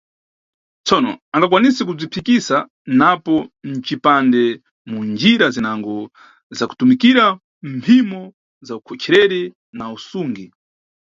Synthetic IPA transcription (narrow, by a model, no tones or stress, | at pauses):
t͡sɔnɔ̰aŋɡak̬wanisɛkub͡ʐipʰikisa | napɔn̩t͡ʃipandɛ | mund͡ʒiɾazinaŋɡɔ | zaku̥tumikiɾa | mpʰimɔ | zaukʰɔt͡ʃʰɛɾɛɾi | nausuŋɡi